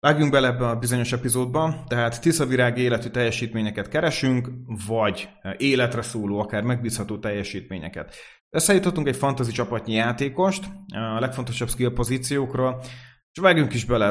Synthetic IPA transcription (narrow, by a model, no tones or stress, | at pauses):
vaːɡjuŋɡ̚bɛlɛɛbːɛnɒbizo̞ɲo̞ʃɛpizoːd̪̚bɒnt̪ɛɦaːt̪ːisɒviɾaːɡieːlɛt̪yt̪ɛjːɛʃiːt̪meːɲɛkɛt̪kɛɾɛʃyŋkvɒɟ | eːlɛt̪rɛsoːloːɒkaːrmɛɡ̚biːshɒt̪oːt̪ɛjːɛʃiːt̪mḛːɲɛ̰kɛ̰t̪ | bɛsːaːjut̪hɒt̪ːuŋkɛcfɒnt̪ɒzit͡ʃɒpɒt̪ɲijaːt̪eːko̞ʃt̪ɒlɛkfo̞nt̪o̞ʃɒbskilpo̞ziːt̪sijoːkroːl | ʃvaːɡjuŋkiʒbɛlɛ